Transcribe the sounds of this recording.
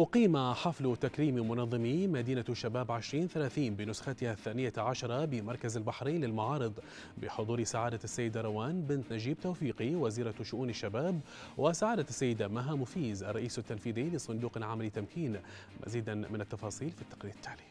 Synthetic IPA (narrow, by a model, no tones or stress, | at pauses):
ʔʊqiːmaħɑflt̪akɾiːmimʊnɑðˤːɨmimad̪iːnaʃːabaːbʕɪʃɾiːnθalaːθiːnbɪnʊsxat̪ɪhaθːaːnɪjaʕaʃɑɾˤɑbɪmɑɾˤkazalbaħɾiːnlɪlmaʕɑːɾɨd̪ˤ | bɪ̰ħʊd̪ˤuːɾsaʕaːd̪asːajːɪd̪aɾˤɑwaːnbɪnt̪nad͡ʒiːb̚t̪awfiːqiwaziːɾɑʃʊʔuːnaʃːabaːb | wʔɪsaʕaːd̪asːajːɪd̪amaɦamʊfiːzʔɑrˤːɑʔiːsat̪ːanfiːðiːlɪsˤʊnd̪uːqalʕamalit̪ːamkiːnmʔa̰ziːd̪amɪnat̪ːɑfɑːsˤiːlfit̪ːɑ̥qɾiːɾɪt̪ːaːli